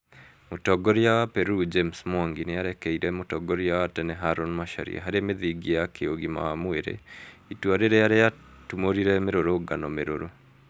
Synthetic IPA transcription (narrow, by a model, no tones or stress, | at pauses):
motɔɡoɾiawapɛɾud͡ʒemsmaŋɡineaɾɛkɛiɾɛmotɔɡɔɾiawatɛnɛɦaɾonmaʃa̰ɾḭa̰ɦaɾemeðiɡijakʰeoɡima̰wamweɾḛitwaɾeɾejaɾea | tumoɾiɾɛmeɾoɾoɡanɔmeɾoɾo